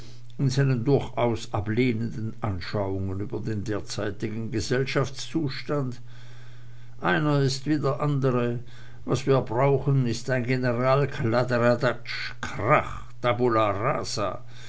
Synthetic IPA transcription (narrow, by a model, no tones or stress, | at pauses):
ɪnzanəndʊɐçʔaʊsʔa̰pleːnəndn̩ʔa̰nʃaʊʊŋənyːbɐdeːndeːɐt͡saɪtɪɡn̩ɡəzɛlʃaft͡st͡suːʃtant | ʔaɪnɐɪstv̥iːdɐʔandəʁə | vasv̥iːɐbʁaʊxn̩ɪstaɪnɡenəʁaːlkʰladeʁadat͡ʃ | kʁa̰x | tʰabulaʁa̰ːsa̰